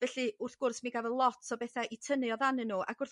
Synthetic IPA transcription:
vɛɬɨʊrθɡ̥ʊrsmiɡavɛlˠɔtʰɔbɛθaʔitʰənɨɔðanɨnːuʔa̰ɡ̥ʊrθ

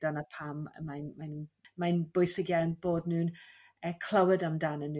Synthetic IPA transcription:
d̥anəpʰam̰majnmanmajnb̥ʊjsɪɡjawnb̥oːdnuːn | əkʰl̥ˠawədamdanənu

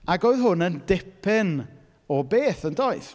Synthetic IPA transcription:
aɡoɨðɦʊnəndɛpʰɪn | ɔbeːθəndoɨθ

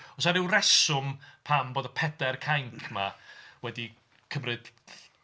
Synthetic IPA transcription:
ɔsaɾɪwrɛsʊmpʰamboːdəpʰɛdɛrkʰajŋkʰmawɛdi | kʰəmrɨd̥

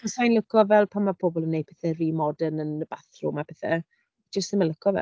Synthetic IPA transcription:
ɔsajnlˠəkʰɔvɛlˠpʰamapʰɔbɔlˠənːejpɛθɛriːmɔdənənəb̥aθrʊmapʰɛθɛ̰ | d͡ʒəstəmanlˠəkʰɔvɛ̰

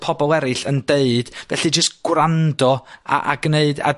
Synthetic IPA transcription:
pʰɔbɔlˠɛɾɨɬəndeɨd̥vɛ̰ɬid͡ʒəstɡ̥wrandɔa̰ʔaɡneɨda̰

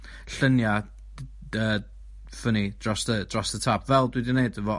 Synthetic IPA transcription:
ɬənja | əː | fənid̥rɔsðəd̥rɔsðətʰap̚ʰvɛlˠdwidɪneɨdəvɔ

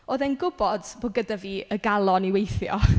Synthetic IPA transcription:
oːðɛnɡʊbɔd̥boːɡədaviːəɡalˠɔniwejθjɔ̰

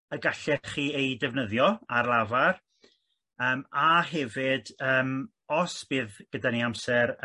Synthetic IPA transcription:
əɡaɬɛχiːejdɛvnəðjɔarlˠavar | əːmaɦɛvɨdəːm | ɔsb̥ɨːðɡ̥ədaniamsɛɾ

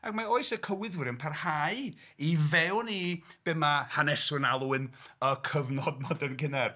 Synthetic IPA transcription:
aɡmaoːɨsəkʰəwɪðwɪɾɨnpʰarhaɨ | ivɛwnib̥ɛmahanɛsʊnalˠuɪnəkʰəvnɔd̚mɔdɛnkɪnɛr

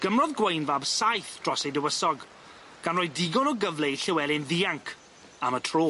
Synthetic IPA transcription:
ɡ̥əmrɔðɡwejnvabsajθd̥rɔsejdəwəsɔɡ | ɡ̥anroːjdɪɡɔnɔɡəvlˠɛiɬɪwɛlˠɪnðiːaŋkʰ | amətʰroː

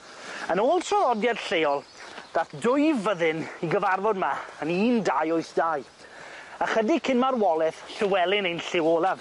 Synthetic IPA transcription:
ənoːlˠtʰrɔvɔdjad̥ɬejɔlˠd̥aθdʊjivəðɨniɡəvarvɔdmaəniːndajoɨθd̥aːɨ | aχədikʰɪnmarwɔlˠɛθɬəwɛlˠɪnejnɬɪwoːlˠav

